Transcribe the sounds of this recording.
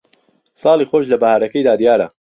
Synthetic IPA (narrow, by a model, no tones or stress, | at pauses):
sɑːlˠiːxoːʃlɐbɐhaːɾɐkɐjd̪aːd̪jaːɾɐ̰